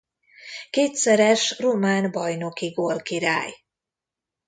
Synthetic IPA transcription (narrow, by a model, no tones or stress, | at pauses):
keːt̪sɛɾɛʃromaːnbɒjno̞kiɡolkiɾaːj